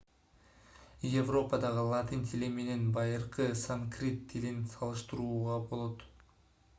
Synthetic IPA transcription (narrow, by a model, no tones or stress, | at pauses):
jevro̞pəd̪ɑʁɯlˠat̪ɨnt̪ʰʲileme̞ne̞nbɑjɯɾqɯsaŋkrʲit̪ʰːilinsɑlˠɯʃt̪ɯɾuːʁɑbo̞lˠo̞t̪